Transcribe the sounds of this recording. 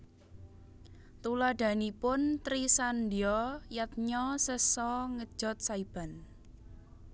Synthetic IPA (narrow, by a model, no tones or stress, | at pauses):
t̪ulaɖ̪̥a̤nipʊnt̪ɾisand̪iɔjat̪̚ɲɔsəsɔŋə̥ʒ̥ɔ̤t̪̚saib̥a̤n